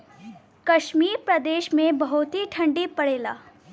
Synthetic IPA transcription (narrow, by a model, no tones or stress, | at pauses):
kɐʃmiːɾpɾəd̪eːʃmẽbɐɦʊt̪ɦiʈʰɐ̃ɳɖipɐɽeːla̰ː